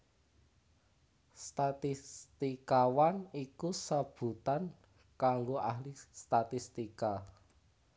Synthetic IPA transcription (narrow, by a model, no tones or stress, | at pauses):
st̪at̪ist̪ikawanikusab̥ṳt̪an | kaŋɡoʔaɦlist̪at̪ist̪ika